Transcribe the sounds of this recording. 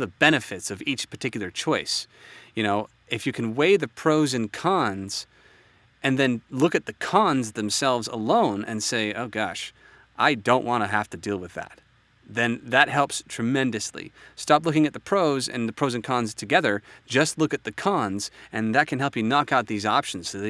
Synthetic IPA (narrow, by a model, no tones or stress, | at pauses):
ðəbɛñɨfɨtsʌvit͡ʃpʰə̥˞tʰɪkjl̩ˠə˞t͡ʃʰɔɪs | jɨñoʊ | ɨfjɨkʰɨ̃nweɪðɨpʰɹ̥oʊzɨ̃nkʰɑ̃nz̥ | ʔɨ̃nðɨ̃nlʊkɨt̪̚ðɨkʰɑ̃nzðɨ̃msɛlˠvzə̰lõʊ̃nʔɨ̰̃nseɪoʊɡɑʃ | ʔaɪdõʊ̃nʔwʔɑ̃ɾ̃ɨɦæftɨdilˠwɨðæ̰t̪̚ | ðɨ̃nðɨt̚hɛlˠpstʰɹ̥ɨmɛ̃ndɨslḭstɑplʊkɪ̃ŋɨt̪̚ðɨpʰɹ̥oʊzɨ̰̃nðɨpʰɹ̥oʊzɨ̃n̩kʰɑ̃nz̥tʰɨɡɛðə˞d͡ʒʌstˡlʊkɨt̪̚ðɨkʰɑ̃nz̥ɨ̃nðɨt̚kʰɨ̃nɦɛlˠpjɨnɑkaʊt̪̚ðizɑpʃn̩z̥sɨð